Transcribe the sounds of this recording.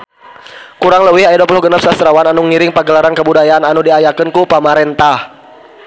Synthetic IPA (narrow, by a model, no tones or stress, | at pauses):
kuɾaŋləwɪhajdɔpulʊhɡənap̚sast̪ɾawananuŋiɾɪŋpaɡəlaɾankəbudajaːnanudiajakənkupəmaɾɛnt̪ah